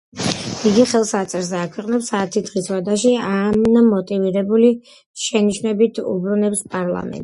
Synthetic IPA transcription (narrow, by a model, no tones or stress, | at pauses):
iɡiχɛlˠsat̪sʼɛɾzɛakʰwɛqʼnɛpsaːt̪ʰid̪ʁiswad̪aʃiamnmɔt̪ʼiviɾɛbuli | ʃɛniʃnɛbit̪ʰṵbɾunɛpspʼaɾlˠa̰mɛ̰nt̪ʼ